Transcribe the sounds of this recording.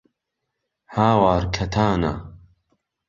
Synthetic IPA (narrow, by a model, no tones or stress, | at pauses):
haːwaːɾkʰɐt̪ʰaːna̰